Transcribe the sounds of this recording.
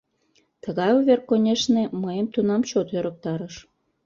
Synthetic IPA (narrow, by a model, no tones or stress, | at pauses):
t̪əɣɑjoβerkːonʲeʃneməjəmt̪unɑmt͡ɕot̪øɾək̚t̪ɑɾəʃ